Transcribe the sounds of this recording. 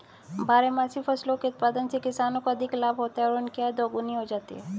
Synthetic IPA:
bʱaːɾemaːsifʰɐslõkeʊt̪̚paːd̪ənsekɪsaːnõkoɐd̪ʱɪklaːbʱɦoːt̪aɦɛɔːɾʊnkead̪oːɡʊniɦod͡ʒaːt̪ḭɦɛː

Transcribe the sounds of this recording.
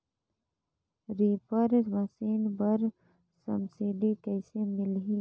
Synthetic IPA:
ɾiːpəɾməsiːnbəɾ | sə̰msiɖikəjsemɪlɦi

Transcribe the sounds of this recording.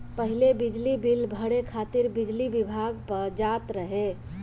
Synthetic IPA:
pəɦilebid͡ʒlibilbʱəɽekʰat̪iɾbid͡ʒlibibʱaɡpəɾd͡ʒat̪ɾəɦe

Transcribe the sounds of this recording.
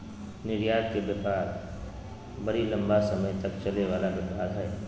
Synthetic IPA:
nɪɾjaːd̪kebəpaːɾ | bɐɾilɐ̃mbasəməjt̪ɐkt͡ʃɐleʋaːlabjəpaːɾɦɛː

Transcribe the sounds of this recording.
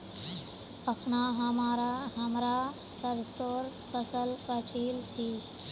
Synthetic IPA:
əkʰnaɦɐmaːɾaɦɐmɾa | səɾsoːɾ | kəsəlkəʈʰiːlt͡ʃʰiː

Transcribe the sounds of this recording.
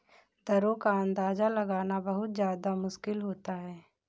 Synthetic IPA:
d̪əɾõkaə̃nd̪aːd͡ʒalɐɡaːnabɐɦʊt̪zjaːd̪amʊʃkɪlɦoːt̪aɦɛː

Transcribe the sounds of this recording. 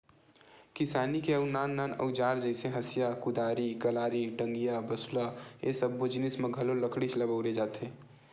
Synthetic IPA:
kɪsaːnikeɐʊnaːnːaːnɐ̰ʊd͡ʒaːɾd͡ʒɛɪseɦɐsijakʊd̪aːɾiɡɐlaːɾiɖə̃ŋɡijabɐsulaesɐbːɪd͡ʒnɪsmẽɡʱɐlolɐkɽit͡ʃlɐbəʊɾed͡ʒaːt̪eː

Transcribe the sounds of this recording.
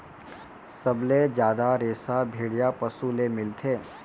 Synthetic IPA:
sɐbled͡ʒjaːd̪aɾeːsabʱeːɽijapəsulemɪlt̪ʰeː

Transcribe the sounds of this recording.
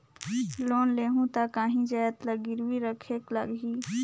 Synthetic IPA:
loːnleːɦũt̪akaːɦĩd͡ʒaːt̪ləɡɪɾwiɾəkʰeːklə̰ɡɦiː

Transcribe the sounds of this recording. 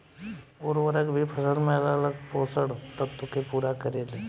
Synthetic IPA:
oːɾʋəɾəkbʱipʰəsəlmẽɐlələɡpoːsəɽt̪ət̪ːʊkepuːɾakəɾeːle

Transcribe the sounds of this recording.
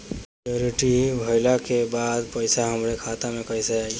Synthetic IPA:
ioɾiʈibʱəɪlakebad̪pəɪsaɦəmɾekʰat̪amẽkəjseaːi

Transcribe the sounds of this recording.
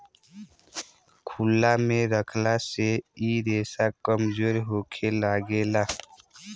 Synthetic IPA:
kʰulːamẽɾəkʰlaseiɾeːsakəmzoːɾɦoːkʰelaːɡeːlaː

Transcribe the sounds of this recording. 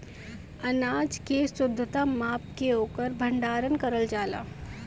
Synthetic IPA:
ɐnaːd͡ʒkesʊd̪ʱːət̪amaːpkeoːkəɾbʱə̃ɳɖaːɾənkəɾəld͡ʒaːla̰ː

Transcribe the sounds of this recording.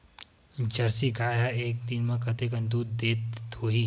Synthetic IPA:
d͡ʒɐɾsiɡaːjaeːk̚d̪ɪnmẽkɐt̪ek̬ə̃nd̪uːd̪ːeːt̪oɦi

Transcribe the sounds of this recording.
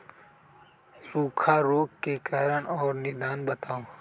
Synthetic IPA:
suːkʰaɾoːkkːekaːɾəɳɔːɾnɪd̪aːnbət̪aːo

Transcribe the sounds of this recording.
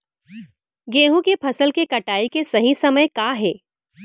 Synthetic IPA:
ɡeːɦũkepʰɐsəlkekɐʈaːikesɐɦĩsɐməjkaːɦɛː

